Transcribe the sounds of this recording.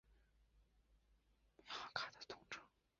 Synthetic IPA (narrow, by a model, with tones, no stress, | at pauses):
kʰa˥t̪ə̥˩t̪ʰʊ˥ŋʈ͡ʂʰə̥˥